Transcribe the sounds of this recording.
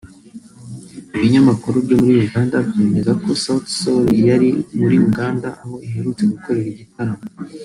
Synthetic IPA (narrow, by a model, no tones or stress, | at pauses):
iβiɲamakuɾubɟo̞muɾiuɡaːndabɟe̞ːme̞zako̞satsolijaɾimuɾiuɡaːndaʔaho̞iɦe̞ɾut͡se̞ɡuko̞ɾe̞ɾiɟitaɾamo